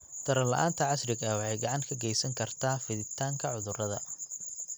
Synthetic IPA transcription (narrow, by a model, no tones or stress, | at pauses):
t̪ʰɐɾɐlɐ̰ʔa̰ːnt̪ʰɐʕɑsrɪɡɐwɑħɑjɡɑʕɑŋkʰɐɡɛjsɐŋkʰɐrt̪ʰaːfɪðɪt̪ʰaːŋkʰɐʕʊðʊrɐðɐ̰